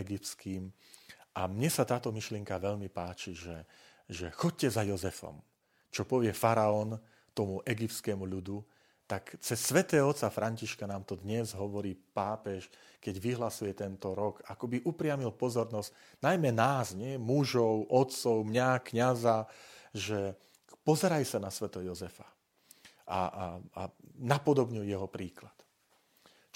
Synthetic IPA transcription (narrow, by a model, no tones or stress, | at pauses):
ɛɡip̪skiːmʔamɲɛsat̪aːt̪ɔmiʃlɪɛŋkaʋɛʎmipaːt͡ʃiʒɛ | ʒɛxɔc̚cɛzajɔzɛfɔ̰m | t͡ʃɔpɔʋɪɛfaɾaɔn | t̪ɔmuʔɛɡip̚t̪skɛmuʎud̪u | t̪akt͡sɛsːʋɛt̪ɛːɦɔɔt̪t͡safɾʔaɲciʃkanaːmt̪ɔd̪ɲɛzɦɔʋɔɾiːpaːpɛʃ | kɛɟʋiɦlasujɛt̪ɛnt̪ɔɾɔkakɔbiʔupɾɪamilpɔzɔɾnɔz | najmɛnaːzɲɪɛmuʒɔʊʔɔt̪t͡sɔʊmɲakɲazaʒɛ | pɔzɛɾajsanasʋɛt̪ɛjɔzɛfa | a̰anapɔd̪ɔbɲujɛɦɔpɾiːklat̪